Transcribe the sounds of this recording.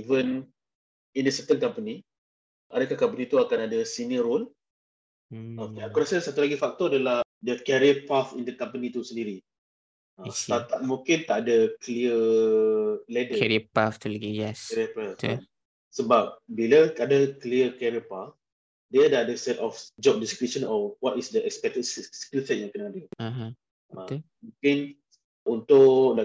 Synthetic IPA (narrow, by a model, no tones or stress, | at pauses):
ivən | indəsɛp̚t̪ənkampəni | ʔadakahkamp̬ənit̪uakanadəsiniəɾol | oakɔɾsəsat̪ulaɡifak̚t̪ɔadaladəkɛɾiəpafḭndəkampənit̪usə̃ndiɾi | ast̪at̪at̪̚mũŋkɪnt̪aʔadəkliə | lɛdəɛɾiəpaft̪ulaɡijɛskɛɾiəpaf | səbap̚bilaadəkliəkɛɾiəpaf | diadaadəsɛt̪ɔfd͡ʒɔp̚diskɾip̚ʃə̃nɔwɔtisdəɛkspɛk̚tətsskilsɛt̚jãŋkənadəaã | ã | mũkɪn | unt̪ʊkla